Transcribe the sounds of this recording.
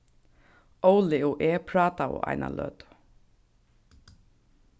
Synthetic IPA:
owlɪɔʔɛːpʰɾɑːt̪aɔ̰ʔa̰jna̰lœ̰ːt̪

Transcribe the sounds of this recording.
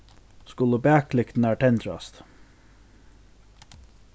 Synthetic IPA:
skʉləbæːk̚ʰlɪkt̪n̩æːʈʰɛnt̪ʰɾɑ̰st̪

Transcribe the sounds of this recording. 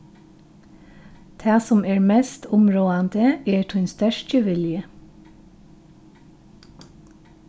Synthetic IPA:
t̪ʰɑːsɔmeːɹmest̪ʰʊmɹoːɑnd̪əeːʈʰʊnst̪œʃtəʋɪljə

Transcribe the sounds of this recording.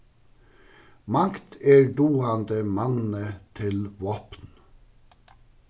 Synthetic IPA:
mɑŋkt̪ʰeːɖuːɑnd̪əmɑnn̩ət̪ʰɪlʋoːpn

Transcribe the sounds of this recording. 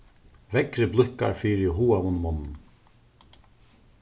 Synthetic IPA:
vɛkɾɪblʏhka̰ɾfiːɾɪɦuːavʊnmɔnːn

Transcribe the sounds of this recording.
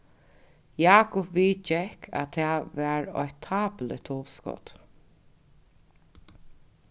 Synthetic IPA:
jaːkʊpʋiːt͡ʃɛhkʰa̰t̪ʰːɛːʋæːɹɔ̰ʏt̪ʰːaːplə̰t̪ʰɔːʋskɔ̰t̪

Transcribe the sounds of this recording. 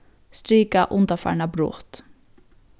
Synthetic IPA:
st̪ɾiːkaʔʊnd̪ɑfæ̰ɳɑbɾo̰ːt̪

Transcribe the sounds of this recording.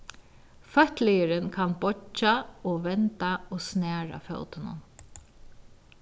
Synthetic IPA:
fœht̪lɪjəɾənkʰanbɔt͡ʃaoːʋɛnt̪aoːsnæːɹa̰fœ̰lt̪ɪnʊ̰n

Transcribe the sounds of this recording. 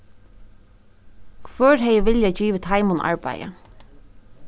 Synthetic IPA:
kʰvœːɹɦɛjəʋɪljajt͡ʃiːʋɪt̪ʰajmʊnʔa̰ɹpa̰jə̰

